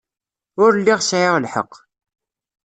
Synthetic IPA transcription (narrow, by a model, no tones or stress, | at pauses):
ʊɾlːiʁsʕɪʁlħə̰qː